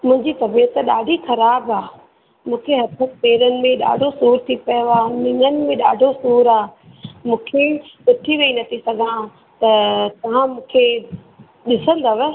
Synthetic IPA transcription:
mʊ̃ɦɪ̃ɲd͡ʑit̪ɐbiət̪ɗa̰ːɖʱixɐɾaːbaː | mũːkʰeɦɐt̪ʰək̚peːɾənɪ̆mẽɗa̰ːɖʱosuːɾt̪ʰipɐjoaːnɪ̃ŋənɪ̆mẽɗa̰ːɖʱosuːɾaː | mũːkʰeɗɪt̪ʰiʋeinɐt̪ʰisɐɡʱã | t̪ɐt̪ɐʋ̤ãmũːkʰe | ɗɪsə̃nd̪ɐʋ

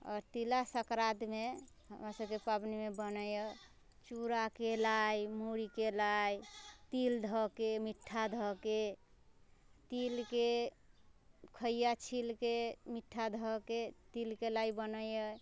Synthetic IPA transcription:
ɔ̰ːɾt̪ilasəkɾad̪me | ɦəmɾasəbkepabnimebənəjə | t͡ʃuɾakelajmuɾikelajt̪ild̪ʱɔkemiʈʰːad̪ʱɔke | t̪ilke | kʰəijat͡ʃʰilkemiʈʰːad̪ʱɔket̪ilkelaibənəjə

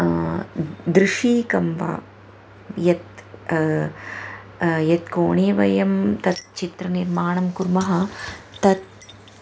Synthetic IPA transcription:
d̪ɾɪʂiːkɐmʋa̰ː | jɐt̪ | jɐt̪koːɳijɐʋɐjɐmt̪ɐt̪̚t͡ʃit̪ɾɐniɾmaːɳɐmkuɾmɐɦɐ̆t̪ɐt̪̚

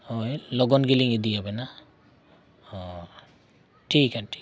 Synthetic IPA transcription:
hojlɔɡɔnɡiliŋid̪ijabɛna | hɔ | ʈʰikaʈʰi̥

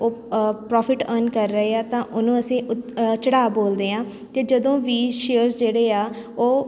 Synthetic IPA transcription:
oːpɾɔːpʰɪʈənkəɾːəɦeːaːt̪ãːʔʊnũːəsĩːʊt͡ʃəɽaːboːld̪eːãː | t̪eːd͡ʒəd̪õːʋiːʃeəɾsd͡ʒeːɽeːaː | oː

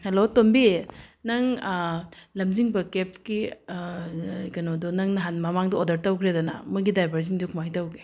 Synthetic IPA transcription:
hɐlotombinɐŋ | lɐmd͡ʒiŋbɐkep̚ki | kɐnodɔnɐŋnɐɦanmɐmaŋdɐodɐɾtɐwkʰɾedɐnɐ̰muɡidajbʱɐɾziŋdukʰumajtɐwɡe

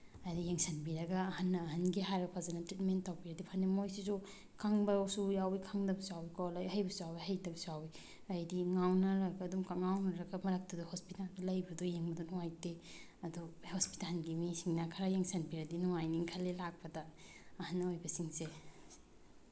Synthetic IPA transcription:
ajdijeŋsɐnbiɾɐɡɐːhɐnːɐːɦɐnɡiɦaɾɐpʰazɐnɐtɾitmentːawbiɾɐdipʰanimojsizu | kʰaŋbɐsujawikʰaŋdɐbsawikolajɦɐjbɐsawiɦɐjdɐbɐsuawi | ajdiŋawnɐɾɐɡɐːdumkŋawnɐɾɐɡɐmɐɾɐk̚tɐduhospitaldɐlɐjbɐdujeŋbɐdunuŋajte | ɐduhospi̥talɡimesiŋnakʰaɾajeŋsɐnbiɾɐdinuŋajniŋkʰɐlːelak̚pɐdɐːhɐnːɐojbɐsiŋse

